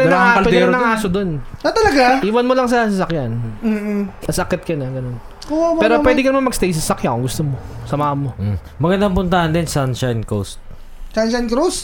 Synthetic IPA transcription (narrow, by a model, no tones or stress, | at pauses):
naaɐlpɛɛnɐŋaːsod̪o̞nɐt̪ɐlɐɡaʔiːwɐnmolɐŋs̬ɐsɐsɐkjan̩ | ɐsɐkɛt̪̚kɐnɐɡɐno̞n | oapɛːɾowɛːd̪ɪkɐnmɐmɐɡst̪ejs̬ɐsɐkjakoŋɡʊst̪omosɐmaːhɐnmo̞ | mɐɡɐnd̪aŋpʊnt̪ɐhɐnd̪ɪnsanʃajnkost̪̚ | sanʃɐjnkɾus